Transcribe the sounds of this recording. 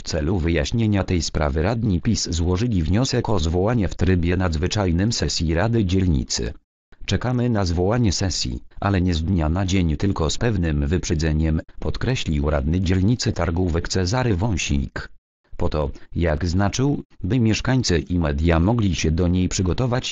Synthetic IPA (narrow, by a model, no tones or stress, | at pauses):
ft̪sɛluvɘjaɕɲeɲat̪ɛjspɾa̰vɘɾad̪ɲipʲiszwɔʐɘlʲivɲɔsɛkɔzvɔwaɲɛft̪ɾɘbʲjɛnad̪zvɘt͡ʂajnɘmsɛsʲjiɾad̪ɘd͡ʑɛlɲḭt̪sɘ̰ | t͡ʂɛkamɘnazvɔwaɲɛsɛsʲjḭʔa̰lɛɲɛzd̪ɲanad͡ʑeɲt̪ɘlkɔspɛvnɘmvɘpʂɛd̪zɛɲɛmpɔt̪kɾɛɕlʲiwɾa̰d̪̚nɘd͡ʑɛlɲit̪sɘt̪aɾɡuvɛkt̪sɛzaɾɘvɔ̃w̃ɕḭjk | pɔt̪ɔjaɡznat͡ʂɘwbɘmʲjɛʂkaɲʲt̪sɘʔimɛd̪ʲjamɔɡlʲiɕɛd̪ɔɲejpʂɘɡɔt̪ɔvat͡ɕ